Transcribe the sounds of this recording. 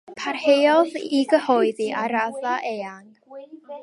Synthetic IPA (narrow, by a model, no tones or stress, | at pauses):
pʰarhejɔðiɡəhɔɨðiʔaɾaðaʔeːaŋ